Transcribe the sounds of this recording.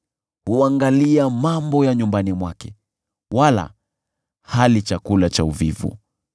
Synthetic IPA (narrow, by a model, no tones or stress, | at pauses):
huaŋɡaliamambɔjaɲumbanimwakɛ | wala̰ | halit͡ʃakulat͡ʃauvivṵ